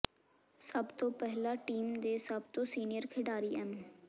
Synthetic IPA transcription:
səbt̪õːpɛɦlaːʈiːmd̪eːsəbt̪oːsiːnɪjəɾkʰɪɖaːɾiːɛːm

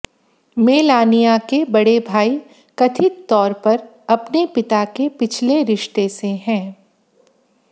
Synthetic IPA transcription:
meːlaːnijakebɐɽebʱaːi | kɐt̪ʰɪt̪ːɔːɾpɐɾ | ɐpnepɪt̪akepɪt͡ʃʰleɾɪʃt̪eseɦɛ̃ː

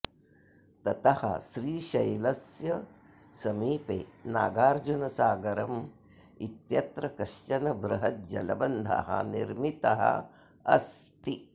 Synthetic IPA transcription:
t̪ɐt̪ɐhɐ̰ʃɾiːʃɐjlɐsjɐ | sɐmiːpḛːna̰ːɡaːɾd͡ʒunɐsaːɡɐɾɐm | it̪jɐt̪ɾɐkɐʃt͡ʃɐnɐbɾɐɦɐt̪d͡ʒɐlɐbɐnd̪ʱɐ̰ɦɐ̰niɾmit̪ɐɦɐ̰ | ɐ̰st̪i

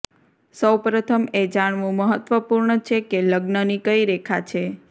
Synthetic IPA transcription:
səwpɾət̪ʰəmed͡ʒaɳ̃ʋũməɦət̪ʋəpuɾɳət͡ʃʰekeləɡnənikəiɾekʰat͡ʃʰe

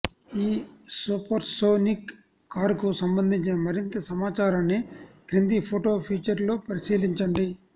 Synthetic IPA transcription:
iːsupɐɾʈsoːnikː | aːɾkusɐmbɐnd̪ʱiɲt͡ʃinɐmɐɾint̪ɐsɐmaːt͡ʃaːɾɐnːikɾind̪ipʰoːʈo̞ːpʰiːt͡ʃɐɾlo̞ːpɐɾisiːliɲt͡ʃɐɳɖi

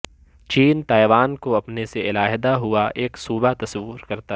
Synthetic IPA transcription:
t͡ʃiːnt̪aːɛʋaːnkoɐpneseɪlaːɦd̪aɦʊaʔeːksuːbat̪ɐsɐʋːʊɾkɐɾt̪a

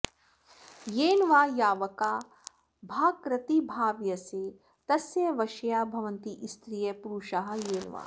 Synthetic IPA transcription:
jeːnʋaːjaːʋɐkaː | bʱaːkɾɐt̪ibʱaːʋjɐseː | t̪ɐsjɐʋɐʃjaːbʱɐʋɐnt̪iʔist̪ɾijɐpuɾuʃɐɦɐ̆jeːnʋa̰ː

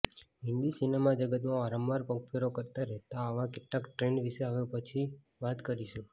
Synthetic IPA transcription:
ɦɪ̃nd̪isinemad͡ʒəɡət̪mãaɾəmʋaɾpəkfʰeɾokəɾt̪aɾɛɦt̪aəʋãkeʈlakʈɾenʋiʃeaʋjõpət͡ʃʰi | ʋat̪kəɾiʃũ

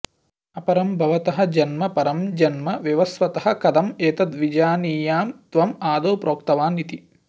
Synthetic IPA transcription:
ɐpɐɾɐmbʱɐʋɐt̪ɐɦɐ̆d͡ʒɐnmɐpɐɾɐmd͡ʒɐnmɐʋjɐʋɐsʋɐt̪ɐɦɐ̆kɐd̪ɐmeːt̪ɐd̪ʋid͡ʒaːniːjaːmt̪ʋɐmaːd̪oːpɾoːkt̪ɐʋaːnit̪i

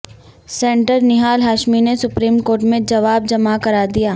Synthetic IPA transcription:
sẽːɳʈəɾnɪɦaːlɦaːʃminesʊpɾiːmkoːɾʈmẽd͡ʒɐʋaːb̚d͡ʒɐmakɐɾaːd̪ijaː

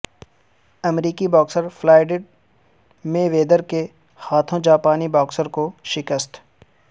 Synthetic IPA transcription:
ɐmɾiːkibɔːksəɾfʰlaːɪɖeɖ̚ | mẽʋeːd̪əɾke | haːt̪ʰõd͡ʒaːpaːnibɔːksəɾkoʃɪkəst̪

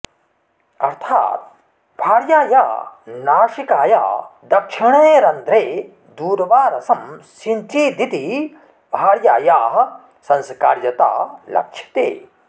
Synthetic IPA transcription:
ɐ̰ɾt̪ʰa̰ːt̪̚ | bʱaːɽjaːja̰ːnaːʃikaːja̰ːd̪ɐkʂiɳ̃eːɾɐnd̪ɾeː | d̪uːɾɐʋaːɾɐsɐmsint͡ʃiːd̪it̪i | bʱaːɽjaːjaːɦɐ | sɐ̃nskaːɾjɐt̪a̰ːlɐ̰kʂʰjɐ̥t̪ḛː

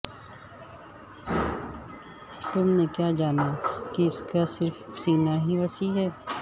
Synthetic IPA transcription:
t̪ʊmnekjaːd͡ʒaːnakiɪskasɪɾfsiːnaɦiʋɐsiɦɛː

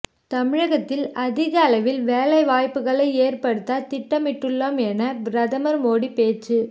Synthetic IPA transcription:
t̪ɐmɪɻɐɣɐt̪ːɪlɐðɪɣɐːlɐʋɪlʋeːlɐɪʋaːjpːɯɣɐɭɐɪeːrpɐɽɯt̪ːaːt̪ɪʈːɐmɪʈːɯɭːɐmɛnɐɾɐðɐmɐɾmoːɽipeːt͡ʃɯ

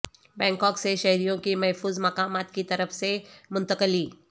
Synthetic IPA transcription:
bɛ̃ŋkɔkseɕəɦɾijõkiːməɦfuːzmakamat̪̚kiːt̪əɾəfsemunt̪əkəliː

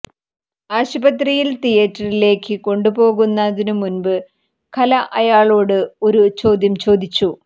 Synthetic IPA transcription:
aːɕɐbɐt̪rijilt̪ijɐtːɐrile̞ːkʰːɨko̞ɳɖubo̞ːɣunːɐðinɨmunbɨ | kʰɐlɐʔɐjaːɭo̞ːɽɨo̞ɾut͡ɕo̞ːd̪jɐmt͡ɕo̞ːd̪it͡ɕːu

